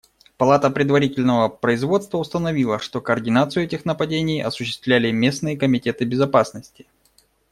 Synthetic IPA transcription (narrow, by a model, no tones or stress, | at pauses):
pɐlˠat̪əpɾʲɪd̪vɐɾʲitʲɪlʲnəvəpɾəɪzvo̞t̪st̪vəʊst̪ənɐvʲilˠəʂt̪o̞kəːrdʲɪnat̪sɨjʊɛtʲɪxnəpɐdʲenʲɪjɐ̰sʊɕːɪst̪vlʲælʲɪmʲe̞snɨjəkəmʲɪtʲe̞t̪ɨbʲɪzɐpasnəsʲtʲɪ̥